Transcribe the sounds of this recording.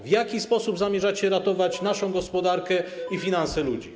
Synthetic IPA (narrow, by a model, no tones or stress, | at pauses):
vʲjakʲispɔsubzamʲjɛʐat͡ɕɛɾat̪ɔvat͡ɕnaʂɔ̃w̃ɡɔspɔd̪aɾkɛifʲinansɛlud͡ʑi